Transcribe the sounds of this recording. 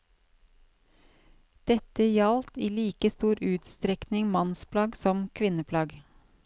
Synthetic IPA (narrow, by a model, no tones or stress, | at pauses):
d̪̥ɛt̪əjɑlt̪iːliːkəst̪uːɾʉːt̪st̪ɾɛknɪŋmɑnspʰlɑːɡsɔmkʰʋɪnəpʰlɑːɡ